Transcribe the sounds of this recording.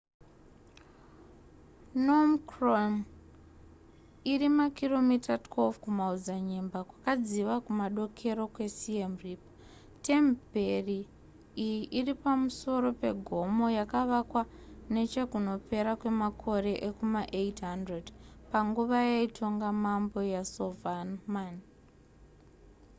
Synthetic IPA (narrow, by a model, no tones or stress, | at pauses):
nomkrom | irimakilo̞mitatwelfkumaud͡zaɲembakwakad͡ziʋakumaɗo̞kʰe̞ɾo̞kwe̞siemrip | te̞mbʱe̞ri | ijiʔiripamuso̞ɾo̞pe̞ɡʱo̞mo̞jakaʋakwa | ne̞t͡ʃe̞kuno̞pe̞ɾakwe̞makʰo̞ɾe̞ʔekumaʔetɦandredpaŋɡuʋajeitʰo̞ŋɡamambo̞jasovanman